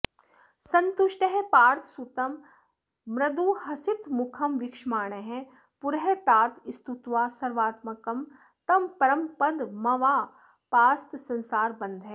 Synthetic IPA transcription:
sɐnt̪uʃʈəɦepaːɾt̪ʰsut̪ɐm | mɾɐd̪uhɐsit̪mʊkʰɐmʋɪkʃmaːɳ̃ɐɦɛ̃ | pʊɾɦet̪aːt̪ist̪ut̪ʋaːsɐɾʋaːt̪mɐkɐm | t̪ɐmpɐɾɐmpɐd̪mɐʋaː | paːst̪sɐ̃nsaːɾbɐ̃nd̪ʱɦɛː

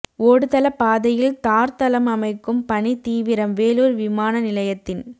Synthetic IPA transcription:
oːɽɯt̪ɐlɐpaːðɐjɪlt̪aːɾt̪ɐlɐmɐmɐɪkːɯmpɐnit̪iːʋɪɾɐmʋeːluːɾʋɪmaːnɐnɪlɐjɐt̪ːɪn

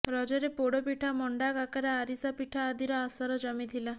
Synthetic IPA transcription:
ɾɔd͡ʒɔɾepoɽopiʈʰamɔɳɖakakaɾaːɾisapiʈʰaːd̪iɾɔasɔɾɔd͡ʒɔmit̪ʰila

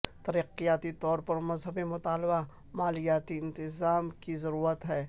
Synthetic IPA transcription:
t̪ɐɾiːqijaːt̪it̪ɔːɾpɐɾmɐzɦəbemʊt̪aːlba | maːlijaːt̪iɪ̃nt̪ɪzaːmkizɐɾuːɾət̪ɦɛː

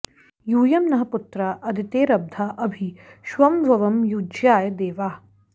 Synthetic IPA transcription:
juːjɐmnɐɦɐput̪ɾaʔɐd̪ʱit̪eːɾɐb̚d̪ʱaːʔɐbʱiʃʋɐmbʱɐʋɐmjuːd͡ʒjaːjɐd̪eːʋaː

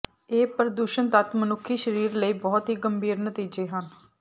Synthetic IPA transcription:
eːpəɾəd̪uːʃənt̪ət̪mənʊkʰːiːʃəɾiːɾləiːbɔːt̪ɦiːɡəmbʱiːɾnət̪iːd͡ʒeːɦən

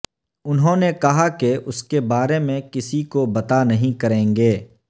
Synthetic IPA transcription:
ʊnɦõːnekɐɦakeʔʊskebaːɾemẽkɪsikobɐt̪anɐɦĩkɐɾẽːŋɡeː

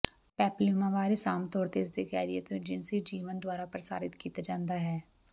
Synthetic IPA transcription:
pɛːplimãʋaːɾisaːmt̪ɔːɾt̪eɪs̬d̪ekɛ̰ːɾiet̪oɪd͡ʒɪnsid͡ʒiːʋənd̪waːɾapɾɐsa̰ːɾɪt̪kiːt̪ad͡ʒãːnd̪aɦɛː

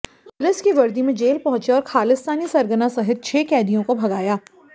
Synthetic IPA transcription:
pʊlɪskiʋɐɾd̪imẽd͡ʒeːlpɐɦʊ̃t͡ʃeɔːɾxʰaːlɪst̪aːnisɐɾɡənasɐɦɪt̪̚t͡ʃʰeːkɛːd̪ijõkobʱɐɡaːjaː

